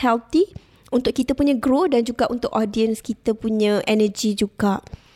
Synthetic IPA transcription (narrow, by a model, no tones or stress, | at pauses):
hɛlt̪i | unt̪ʊʔ̚kit̪əpuɲə̃ɡɾodand͡ʒuɡaʔunt̪ʊkɔdiənskit̪əpuɲə̃ʔɛnəd͡ʒid͡ʒuɡaʔ